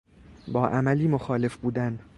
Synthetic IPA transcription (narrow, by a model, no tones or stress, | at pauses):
bɒːʔæmæliːmoxɒːle̞fbuːd̪æn